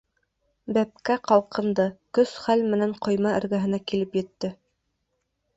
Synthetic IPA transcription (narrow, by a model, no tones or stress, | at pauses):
bæp̚kæqɑlˠqɤ̆nd̪ɤkɵsχælmɘ̆næɴqʰŏjmɑɘ̰̆ɾɡæɦɘ̆nækilɘpjɘ̆t̪ːɘ